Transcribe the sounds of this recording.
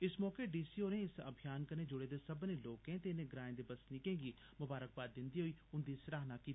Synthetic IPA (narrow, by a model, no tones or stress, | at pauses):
ɪsmɔːkeːɖiːsiːoːneːɪsə̰bʱɪjaːnkəɾnẽːd͡ʒʊɽeːd̪eːsəbnẽːloːkẽːt̪eːnẽːɡɾaːẽd̪eːbəsniːkẽːɡiː | mʊbaːɾək̚baːɪnd̪iːɦoiːʊnd̪iːsɾaːɦnaːkiːt̪ː